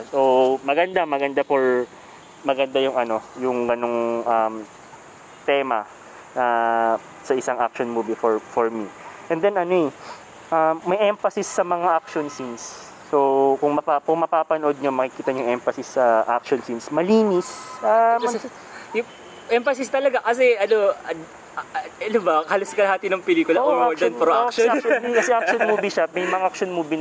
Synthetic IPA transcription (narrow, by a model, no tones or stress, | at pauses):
somɐɡɐnd̪amɐɡɐnd̪apoɹ | mɐɡɐnd̪ajʊŋɐno̞jʊŋɡɐno̞ŋʔɐm | t̪ɛːmɐ̰ | ɐ | sɐʔɪsaŋak̚ʃonmuːbifɔɹfɔɹmiʔɛnd̪ɛnɐnoɛ | ʔɐmːɐjʔɛmfɐsɪsːɐmɐŋaʔak̚ʃonsinsː | okʊŋmɐpakʊŋmɐpaːpɐnoʔod̪̚ɲo̞mɐkɪkiːt̪ɐɲʊŋʔɛmfɐsɪsːɐʔa̰k̚ʃonsinsmɐliːnɪsam | jʊ | ʔɛmfɐsɪst̪ɐlɐɡakɐsɛʔɐnoɐ | ɐnobɐhaloskɐlɐɦaːt̪ɪnɐŋpɛliːkʊlaʔoʔad̪ɐnpɾoakʃɐkɐsɛʔakʃonmuːbiʃɐmɐjmɐŋak̚ʃonmuːbi